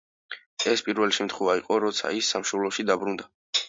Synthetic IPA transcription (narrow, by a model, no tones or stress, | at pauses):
ɛspʼiɾvɛliʃɛmt̪ʰχwɛvaiqʼɔɾɔt̪sʰa̰isːamʃɔlˠɔʃid̪abɾund̪a